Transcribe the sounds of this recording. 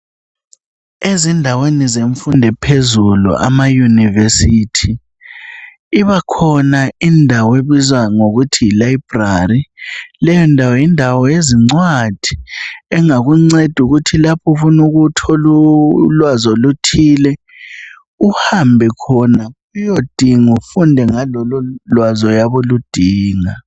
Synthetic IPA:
ezindʱawenizeɱfundʱɛpʰezulṵʔa̰majunivesitʰi | iβakʰɔnaindʱaweβizwaŋoɣutʰijilajb̥rarilɛjɔndʱawɔjindʱawɔjeziŋ͡ǀwad̥ʱiɛŋaɣuŋ͡ǀed̥ʱuɣutʰilapʰɔfunuɣutʰɔlulwazolutʰilɛ | uhambʱɛkʰɔna | ujod̥ʱiŋufundʱɛŋalɔlɔlwazɔjaβolud̥ʱiːŋa

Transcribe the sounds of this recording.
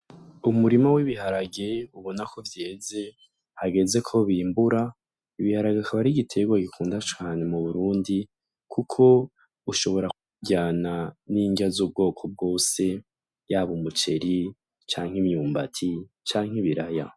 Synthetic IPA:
umuɾimawiβiɦaɾaɡeuβo̞nakʰo̞vjeːze̞ | haɡe̞ze̞kʰo̞βiːmbuɾa | iβihaɾaɡekʰaβaɾiɡitʰe̞ɡwaɡikʰuːndat͡ʃaːne̞muβuɾuːndi | kʰukʰo̞ | uʃo̞βo̞ɾauɟaːnaniːŋɡazuːb̚ɡo̞ːkʰo̞b̚ɡo̞ːse̞ | jaβumut͡ʃe̞ɾi | t͡ʃaːŋ̥imjuːmba̰tʰi | t͡ʃaːŋ̥hiβiɾaja̰

